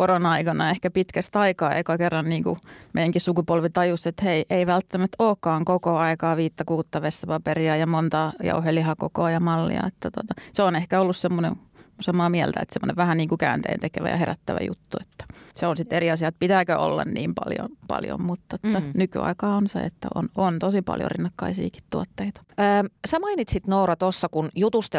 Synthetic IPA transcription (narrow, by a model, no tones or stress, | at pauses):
koronɑikɑnɑehkæpit̪kæst̪ɑikɑːḛikɑkerːɑnniːŋkṵmḛijæŋkissukupolʋit̪ɑjuset̪heiʔeiʋælt̪ːæmæt̪oːkːɑːŋkokoɑikɑːʋiːt̪ːɑkuːt̪ːɑʋesːæpɑperiɑjɑmont̪ɑːjɑ̰uhelːihɑkokoɑjɑmɑlːḭɑ̰et̪ːæt̪uot̪ɑseonehkæolːussemːonḛn | sɑmɑːmiɛlt̪æḛt̪semːŏ̰neʋʋæhænniːŋkukæ̰ːnt̪ḛːnt̪ekeʋæ̰jɑ̰heɾæt̪ːæʋæ̰jṵt̪ːuet̪ːæ̥seonsit̪eriɑsiɑet̪̚pit̪æːkøʔo̰lːɑ̰nniːmpɑ̰ljo̰pɑ̰ljo̰mmut̪ːot̪ːænyky̰ɑ̰ikɑːonsḛḛt̪ːæ̰o̰nont̪osipɑ̰ljo̰rḭnːɑkːɑisḭːki̥t̪t̪uot̪ːeit̪ɑ̥əːmsæmɑinit̪sit̪nourɑt̪osːɑkunjut̪ust̪